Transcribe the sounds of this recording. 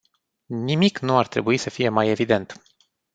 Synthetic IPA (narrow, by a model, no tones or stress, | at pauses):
nimiknuart̪ɾe̞̰buisəfije̞maje̞vid̪e̞nt̪